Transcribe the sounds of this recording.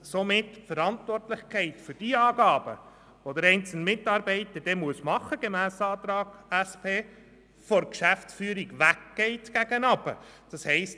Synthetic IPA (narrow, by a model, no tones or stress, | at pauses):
somɪtːfəɾɑntʋɔrtlɪχkʰɛɪtfʏɾd̥iɑːɡɑːb̥ə̰ | ʋod̥̪ɪɾɛɪnt͡sl̩nmɪtːɑːɾbɛɪtəd̥ɛmuəsmɑχəɡ̥emæːsɑːt̪ɾɑːɡ̥æspʰeː | fɔɾkʃæft͡sfyːɾiɡʋækɡ̥ɛɪtɡ̥æɡ̥ənɑb̥ə̰d̥ɑshɛɪst